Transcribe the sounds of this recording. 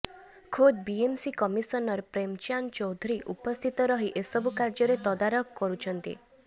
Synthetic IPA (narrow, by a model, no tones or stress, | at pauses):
kʰod̪biemsikɔmisɔnɔɾpɾemt͡ʃant͡ʃɔwd̪ʱuɾiʔṵpɔst̪ʰit̪ɔɾɔɦiʔesɔbukaɾd͡ʒɔɾet̪ɔd̪aɾɔkkɔɾut͡ʃʰɔnt̪ḭ